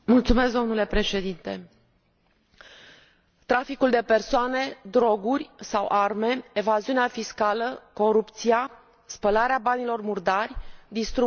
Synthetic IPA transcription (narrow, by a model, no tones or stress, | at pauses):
mult̪sume̞sɡ̚d̪o̞mnule̞pɾe̞ʃe̞d̪int̪e̞ | t̪ɾafikuld̪e̞pe̞rsoane̞d̪ɾo̞ɡurʲsawʔarme̞evaziuneafiskaləko̞ɾupt̪sia | spəlaɾeabanilo̞rmurd̪arʲd̪ist̪ɾu